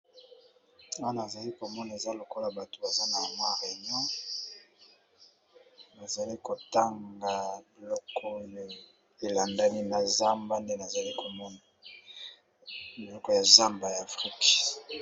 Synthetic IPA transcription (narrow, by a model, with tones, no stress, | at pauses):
a˦na˨za˨li˦ko˨mɔ˦na˨e˨za˦lo˨ko˦la˨ba˨to˨ba˨za˦na˨ma˦ʁe˨ɲɔ̃˦ | na˨za˨li˦ko˨ta˦ŋɡa˨bi˨lɔ˦kɔ˦˨ | e˨la˨nda˦ni˦na˨za˦mba˦nde˦na˨za˨li˦kʰo˨mɔ˦na˨ | bi˨lɔ˨kɔ˦˨ja˨za˦mba˨jaː˨fʁi˦k